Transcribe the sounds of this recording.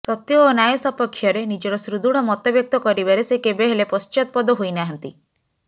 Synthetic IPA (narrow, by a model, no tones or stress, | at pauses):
sɔt̪jɔːnajɔsɔpɔkʰːjɔɾenid͡ʒɔɾɔsɾud̪uɽ̃ɔmɔt̪ɔbjɔk̚t̪ɔkɔɾibaɾesekebeɦelepɔst͡ʃɔt̪̚pɔd̪ɔɦojnaɦɔnt̪i